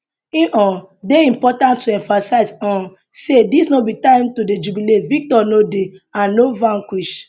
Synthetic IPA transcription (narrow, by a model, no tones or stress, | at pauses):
ĩʔɔ̃ | deĩmpɔtãntːuɛ̃nfasaɪzɔ̃ | sedisnobitãɪ̃mtoded͡ʒubiletvik̚tɔnodeãnːovãŋkwiʃ